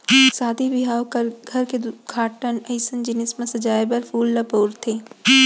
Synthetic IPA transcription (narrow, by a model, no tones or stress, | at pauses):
saːd̪ʱibɪɦaːwkɡʱɐɾked̪ɡʰʱaːʈənɐɪsənd͡ʒɪnɪsmẽsɐd͡ʒaːjbɐɾpʰuːlːɐboːɾt̪ʰeː